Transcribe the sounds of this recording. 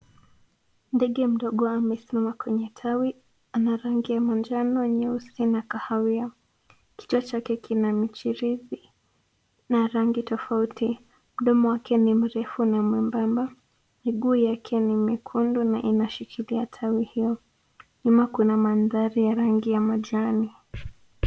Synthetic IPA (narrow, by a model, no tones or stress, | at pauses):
ndɛɠɛm̩ɗɔɠɔamɛsimamakwɛɲɛtʰawi | anaɾaŋɡijamand͡ʒanɔɲɛusinakahawia | ki̥tuat͡ʃakɛkʰinamit͡ʃiɾizi | naɾaŋɡitɔfauti | m̩ɗɔmɔwakʰɛnim̩ɾɛfunamwimbamba | miɠujakʰɛnimikʰundunaʔinaʃikʰiliatʰawihijɔ | ɲumakunamanðaɾijaɾaŋɡijamaʄani